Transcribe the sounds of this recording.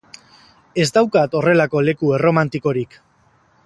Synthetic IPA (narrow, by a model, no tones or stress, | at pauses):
e̞zd̪awkat̪o̞re̞lako̞le̞kueromant̪iko̞ɾik